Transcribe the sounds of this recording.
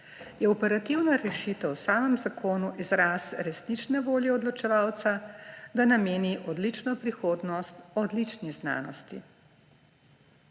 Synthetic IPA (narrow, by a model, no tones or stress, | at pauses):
jɛɔpɛɾat̪iwnaɾɛʃit̪əwsaːməmzakʰoːnuʔizɾaːsɾɛsnit͡ʃnɛʋoːljɛɔd̪lɔt͡ʃɛʋawt̪sad̪anameːniʔɔd̪lit͡ʃnɔpɾixoːd̪nɔst̪ɔd̪lit͡ʃnizna̰ːnɔst̪ḭ